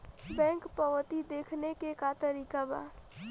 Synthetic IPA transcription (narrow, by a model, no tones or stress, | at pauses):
bɛ̃ːŋkpəʋət̪id̪eːkʰnekekat̪əɾiːkaba̰ː